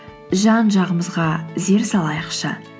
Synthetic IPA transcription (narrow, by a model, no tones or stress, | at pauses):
ʒɑnʒɑʁəməzʁɑze̞ɾsɑlˠɑjəqʃə